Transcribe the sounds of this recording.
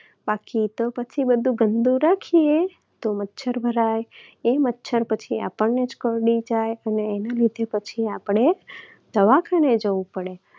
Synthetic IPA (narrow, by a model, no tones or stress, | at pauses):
bakit̪opət͡ʃʰibəd̪ʱũɡənd̪ũɾakʰie | t̪omətːʃʰəɾbʱəɾajemətːʃʰəɾpət͡ʃʰia̰pəɳned͡ʒkəɾɽid͡ʒajəneːnalid̪ʱepət͡ʃʰiapɽ̃e | d̪̥əʋakʰaned͡ʒəʋũpəɽe